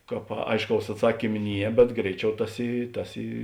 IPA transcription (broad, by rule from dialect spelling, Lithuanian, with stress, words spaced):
ˈkɑːp ˈɐɪʃˌkɐʊs ɐtˈsɑːkʲiːm ˈnʲiɛ bʲɛt ˈɡrʲɛɪˌt͡ʃʲɛʊ ˈtɐs ˈiː ˈtɐs ˈiː